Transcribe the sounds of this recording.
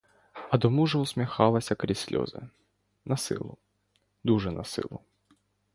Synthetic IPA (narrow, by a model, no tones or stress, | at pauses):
ɐd̪ɔmuʐɛusmʲixɑlˠɐsʲɐkɾʲisʲlʲɔ̰zɨ̰ | nɐsɪ̰lˠʊ | d̪uʐɛnʔɐsɪ̰lˠʊ